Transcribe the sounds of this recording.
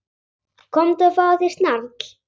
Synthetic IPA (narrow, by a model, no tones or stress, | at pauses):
kʰɔmt̪afaðɪst̪naɾk